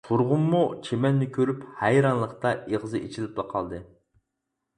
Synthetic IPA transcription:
t̪ʰuɾʁʊmːut͡ʃʰemɛnːɪkʲʰøɾyphæjɾɑnlˠəχt̪ɑeʁzɨʔet͡ʃʰilɪplˠəqʰɑ̰lˠd̪ɨ

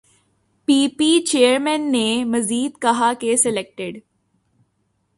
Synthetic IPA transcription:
piːpit͡ʃeːəɾmɛ̃nːemɐziːd̪kɐɦakesɛleːk̚ʈɪɖ

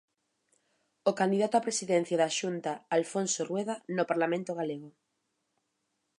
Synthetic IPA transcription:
okand̪iðat̪oapɾesiðɛn̟θjaðaʃunt̪aalfonsorweðanopaɾlamẽnt̪oɣaleɣo

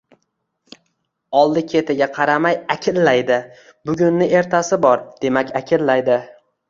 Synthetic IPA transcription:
ɒlˠd̪ɪkʲʰe̞t̪ʰɪɡʲaqʰɑɾamajakʲʰɪllajd̪ɪ | bʊɡʲʊnːɪe̞ɾt̪ʰasɪbɒɾd̪̥e̞makʲakʲʰɪllajd̪ɪ

